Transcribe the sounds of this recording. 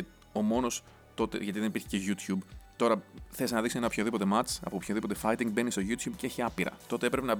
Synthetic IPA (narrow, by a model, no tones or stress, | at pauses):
o̞mo̞no̞s | t̪o̞t̪e̞̰ʝɐt̪iðenipiɾçe̥ceʝut̪çubt̪o̞ɾɐθeisnɐðiksoenɐopçoðipo̞t̪e̞mɐt͡sɐ̰popçoðipo̞t̪e̞fɐit̪iŋɡbe̞nist̪o̞ʝut̪çubceeçiɐpiɾɐ̰t̪o̞t̪e̞epɾepenɐ